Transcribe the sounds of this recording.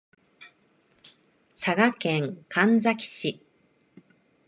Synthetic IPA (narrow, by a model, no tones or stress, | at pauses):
saɡakẽ̞ŋkʰãnd͡zakʲi̥ɕi